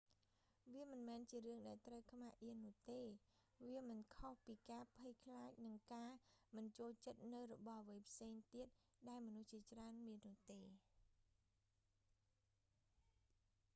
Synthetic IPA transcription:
ʋiəmɨnmɛːnt͡ɕiəɾɨəŋɗaɛlt̪rəwkʰmaʔiənːʊ̆əht̪eː | ʋiəmɨnkʰohpiːkaːpʰɨjkʰlaːc̚nɨŋkaːmɨnt͡ɕoːlt͡ɕət̪̚nɨwrɔɓɑhʋəjpʰseːŋt̪iət̪̚ | ɗaɛlmɔnuht͡ɕiət͡ɕraənmiənːʊ̆əht̪eː

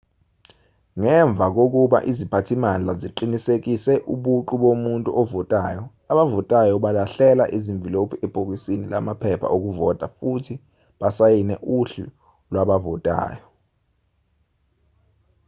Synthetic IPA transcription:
ŋɛɱb̪vʱak̬ok̬uɓa̰ʔizipʰatʰimand͡ɮʱaziǃinisek̬ʼisɛʔuɓuǃuɓomuntʼṵʔɔvɔtʼaːjɔ | aɓavɔtʼajɔɓalaɬɛla̰ʔiziɱvʱilopʰiɛb̥ʱok̬isinilamapʰɛpʰa̰ʔok̬uvɔtʼafutʰi | ɓasajinɛʔuɬṵ | lwaɓavɔtʼa̰ːjɔ

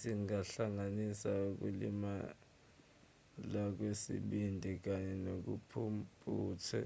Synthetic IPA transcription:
siŋaɬaŋanisauk̬ṵlima | lak̬wesḭɓindʱik̬aɲɛnok̬upʰumpʼuːtʰɛ̰

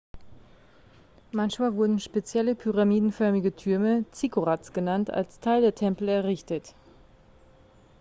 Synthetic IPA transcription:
mançmaːlvʊɐdn̩ʃpet͡sjɛləpʰyʁamiːdn̩fœɐmɪɡətʰʏɐmət͡sikoʁat͡sɡ̥ənantʰa̰lstʰaɪldeːɐtʰɛmpl̩ɛɐʁɪçtət

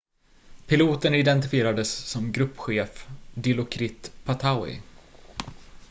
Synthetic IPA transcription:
pʰɪluːt̪ənɪd̪ɛnt̪ɪfɪeːɾad̪əsːɔmɡɾɵpːɧeːfd̪ɪlʊkʰɾɪt̪pʰat̪ʰaʊɪ̰

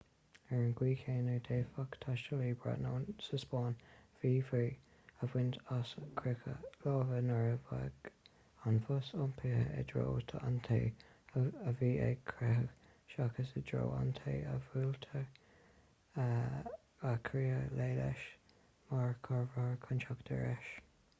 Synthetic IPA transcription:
ɛɹənɡwiːkʰeːnəd̪eːfakt̪ʰaʃtəliːbɹa̰noːnsəspɑːnv̥iːviː | əvwɪntaskʰɾɪkʰə̰loːvənəɹəvaɡ | anfʊsʊmpʰihə̰ɛ̰d̪ɹo̰ːt̪ʰəant̪ʰḛː | əviːɛ̰ɡ̚kʰɾɪhəɡ | ʃakəsəd̪ɹo̰ːa̰nt̪ʰeːəvuːlt̪ʰə | akʰɾiːəleːlɛ̰ʃ | maɹkʰɔɹvaɹkʰʊnt͡ʃakd̥̪əɹɛʃ

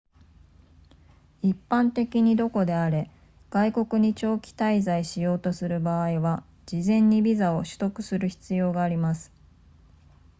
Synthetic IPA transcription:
ipːãnt̪e̞kʲiɲ̟id̪o̞ko̞d̪e̞aɾe̞ | ɡ̥aiko̞kɯ̟ɲ̟it͡ɕo̞ːkʲi̥t̪aizaiɕijo̞ːt̪o̞sɨɾɯ̟baːiβa | d͡ʑizẽ̞ɲ̟ːibʲizao̞ɕɨ̥t̪o̞kɯ̟̥sɨɾɯ̟çi̥t͡sɨjo̞ːɡaːɾʲimasɨ̥

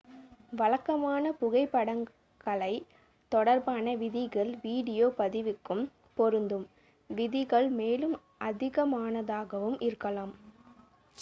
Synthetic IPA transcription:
ʋɐɭɐkːɐmaːnɐpʊɣɐɪpːɐɽɐŋ | ɡɐɭɐɪ | t̪ɔɽɐɾbaːnɐʋɪðɪɣɐɭʋiːɽɪjoːpɐðɪʋɪkːɯm | pɔɾɯnd̪ɯm | ʋɪðɪɣɐɭmeːlɯm | ʔɐðɪɣɐmaːnɐðaːɣɐʋɯmʔɪɾɯkːɐlaːm

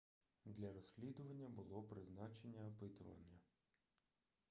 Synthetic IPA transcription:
d̪lʲɐɾɔsʲslʲid̪ʊʋɐnʲːɐbʊlˠɔpɾɪznɑt͡ʃe̞nʲːɐːpɪt̪ʊʋɐ̰nʲɐ

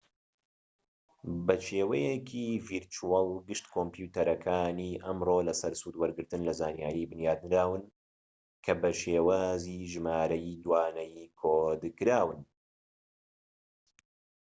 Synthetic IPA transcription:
bɐʃeːwɐjɛkʰiviɾt͡ʃuwɑlˠɡɨʃt̪kʰompjut̪ɐɾɐkʰaːniːʔɐmroːlɐsɐɾsuːd̪wɐɾɡɨɾt̪ɨnlɐzaːnjaːɾibɨnjaːd̪̚nɨɾaːwɨn | kʰɐbɐʃeːwaːziːʒɨmaːɾɐjid̪waːnɐjikʰoːd̪kɨɾaːwɨn

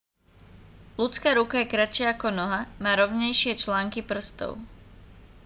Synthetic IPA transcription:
lut͡skaːɾukajɛkɾat͡ʃɪaakɔnɔɦamaːɾɔʊɲɛjʃɪɛt͡ʃlaːŋkipr̩st̪ɔ̰ʊ

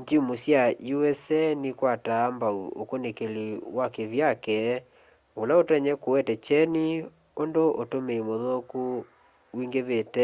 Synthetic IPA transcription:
ɲd͡ʒimosjajuwɛsɛnekwataːmbaṵo̰konekeliwakeβjakɛ | olaotɛɲɛkowɛtɛt͡ʃɛni | ondoʔotomeimoðoku | wiŋɡeβetɛ

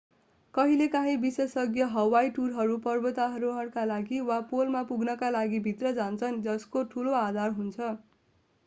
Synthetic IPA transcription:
kʌɦilekãɦĩbisesʌɡjʌɦʌwajʈurɦʌɾupʌrbʌt̪aɦʌɾuɦʌɽkalaɡiwapolmapuɡnʌkalaɡibʱit̪rʌd͡zant͡sʰʌnd͡zʌskoʈʰuload̪ʱarɦunt͡sʰʌ

